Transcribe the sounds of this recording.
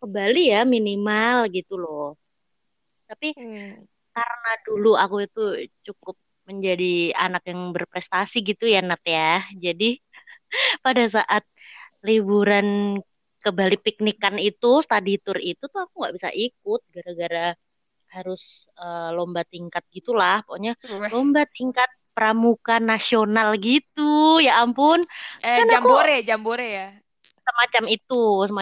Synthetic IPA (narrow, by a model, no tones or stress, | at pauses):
kəmbalijaminimalɡit̪ulɔh | t̪api | karnaduluakuit̪ut͡ʃukʊp̚ | məɲd͡ʒadia̰nakjaŋbərpɾɛst̪asiɡit̪ujanat̪jahd͡ʒadi | padas̬aʔat̪̚libuɾan | kəmbalipik̚nikanit̪ust̪adit̪ʊrit̪ut̪uakuŋɡa̰ʔbisa̰ʔik̚ʊt̪̚ɡaɾaɡaɾa | haɾʊs | əlombat̪iŋkat̪̚ɡit̪ulahpooɲalombat̪iŋkat̪̚pəɾamukanasionalɡit̪ujaʔːmpʊnanakoɾed͡ʒamboɾeja | səmat͡ʃamit̪usəma